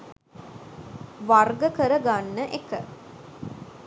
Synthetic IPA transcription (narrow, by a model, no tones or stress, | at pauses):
ʋarɡəkəɾəɡanːəʔekə